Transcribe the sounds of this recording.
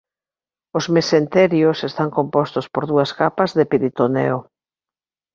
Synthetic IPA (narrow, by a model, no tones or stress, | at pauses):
ʊzmesent̪ɛɾjʊsest̪aŋkompɔst̪ʊspoɾðuɐskapɐzðepiɾit̪onḛo